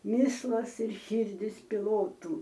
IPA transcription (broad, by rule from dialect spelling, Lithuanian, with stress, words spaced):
ˈmʲɪslˠɐs ɪr ˈʃʲiːrʲdʲɪs pʲɪˈlˠoːtuː